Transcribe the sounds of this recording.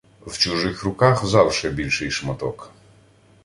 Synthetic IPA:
wt͡ʃʊʒɪxɾʊkɑxzɑwʃɛbʲilʲʃɪjʃmɔt̪ɔk

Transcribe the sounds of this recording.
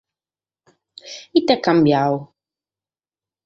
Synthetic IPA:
itɛkam̩bjawo

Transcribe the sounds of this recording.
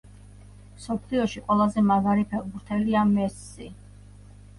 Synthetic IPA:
msɔpʰliɔʃiqʼwɛlˠazɛmaɡaɾipʰɛɾbuɾt̪ʰɛliamɛsːi

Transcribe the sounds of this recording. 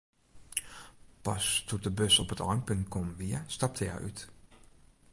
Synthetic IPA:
pɑstʰut̚dəbøsɔpətɔɹmpɵnt̚kʰɔmʋiəstɑp̚tʰəja̰ʔy̰t

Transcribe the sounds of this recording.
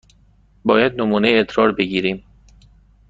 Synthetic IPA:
bɒːjæd̪̚nomuːnejet̪ʰɾɒːɾbeɡiːɾiːm

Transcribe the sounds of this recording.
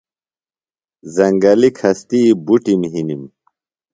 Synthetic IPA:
zɐŋɡɐlikʰɐst̪iːbuʈimɦinim

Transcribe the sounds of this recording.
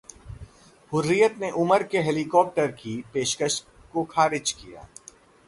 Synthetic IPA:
hʊɾːijət̪neʔʊməɾkeɦɛlikɔːp̚ʈəɾkipeːʃkəʃ | kokʰaːɾɪd͡ʒkija̰ː

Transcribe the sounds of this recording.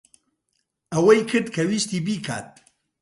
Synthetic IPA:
ɐwɐjkʰɨɾd̪kʰɐwiːʃt̪iːbiːkʰa̰ːt̪̚

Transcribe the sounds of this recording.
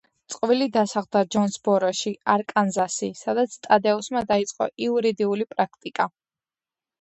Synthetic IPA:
t̪sʼqʼvilid̪asaʁd̪ad͡ʒɔnsbɔɾɔʃiaɾkʼanzasisad̪at̪sʰt̪ʼad̪ɛɔsmad̪ait̪sʼqʼɔ̰ʔiuɾid̪iulipʼɾakʰt̪ʼikʼa

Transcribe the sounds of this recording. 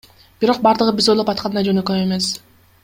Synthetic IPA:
b̥iɾo̞q̚bɑɾd̪ɯʁɯbizo̞jlˠopɑt̪̚qʰɑnɯnɑd͡ʒø̞nøkøe̞me̞s

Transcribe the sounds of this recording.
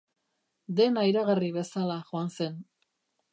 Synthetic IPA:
d̪e̞naiɾaɣariβe̞salaʝoanse̞n

